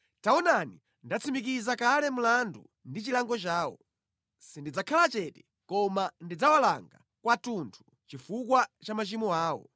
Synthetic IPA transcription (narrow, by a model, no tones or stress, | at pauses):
taɔnani | ndat͡sʰimik̬izakalɛm̩landṵ | ndit͡ʃilaŋɡɔt͡ʃaːwɔ̰ | sindid͡zakʰalat͡ʃɛtɛ | kɔmandid͡zawalaŋɡa̰ | kwatuntʰu̥ | t͡ʃifukwat͡ʃamat͡ʃimɔaːwɔ̰